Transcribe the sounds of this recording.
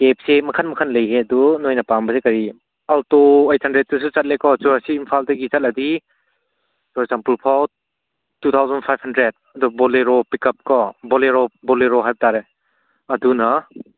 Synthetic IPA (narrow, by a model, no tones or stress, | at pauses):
kep̚semɐkʰanmɐkʰanlɐjɦeɐdunojnɐpambɐsekɐɾi | altoejt̚hɐndɾet̚tus̬ut͡ʃɐt̚lekɔt͡ʃɔɾasiːmpʰaldɐɡit͡ʃɐt̚lɐdi | sɔɾzampulpʰaw | tːut̪ʰawzɐnpʰajbhandɾed̚ɐdɔbɔleɾɔpikɐp̚kɔbɔleɾɔbɔleɾɔɦajbɐtaɾe | ɐdunɐ